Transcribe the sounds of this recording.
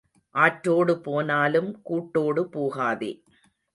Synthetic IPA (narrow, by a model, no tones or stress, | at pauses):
ʔaːʈɾoːɽɯpoːnaːlɯmkuːʈːoːɽɯpoːɣaːðḛː